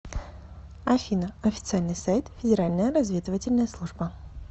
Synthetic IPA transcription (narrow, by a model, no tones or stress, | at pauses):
ɐfʲinəɐfʲɪ̥t̪sɨalʲnɨjsajt̪fʲɪdʲɪɾalʲnəjəɾɐzvʲed̪ɨvətʲɪlʲnəjəslˠuʐbə